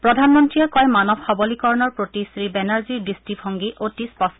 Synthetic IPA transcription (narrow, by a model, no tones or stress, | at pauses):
pɹɔdʱanmɔntɹijakɔjmanɔbʱxɔbɔlikɔɹnɔɹpɹotisɹibɛnaɹziɹdistipʰɔŋɡiʔotispɔs